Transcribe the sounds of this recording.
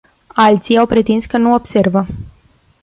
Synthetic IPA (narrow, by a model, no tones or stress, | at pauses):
alt̪sijawpɾe̞t̪inskənuo̞b̥se̞rvə